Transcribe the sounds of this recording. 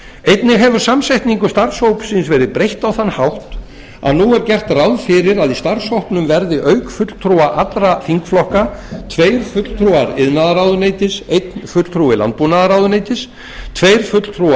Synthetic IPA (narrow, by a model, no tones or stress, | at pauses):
ejt̪nɪɣɦɛvʏɾ̥samsɛjht̪niŋkʏst̪aɾshowpsinsvɛːɾɪðpɾejht̪awθanːhawht̪ | a̰ðnuɛɾcɛr̥t̪rawðfɪɾɪɾaðist̪aɾsɔhpnʏmvɛɾðɪʔœɥkfʏt̪l̥t̪ʰɾuaʔat̪ɾafiŋkflɔhkat̪ʰveːjɾ̥fʏt̪l̥t̪ʰɾuaɾɪðnaðaɾawðʏneːjt̪ɪsejt̪nfʏt̪l̥t̪ʰɾuɪla̰nt̪̚punaðaɾawðʏnejt̪ɪs | t̪ʰveːjɾ̥fʏt̪l̥t̪ʰɾua